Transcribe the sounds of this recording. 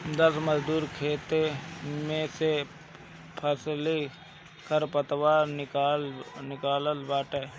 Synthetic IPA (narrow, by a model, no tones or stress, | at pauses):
d̪əsməd͡ʒd̪uːɾkʰeːt̪emẽse | pʰəsli | kʰəɾpət̪waːɾɪlnɪkaːləlbaːʈə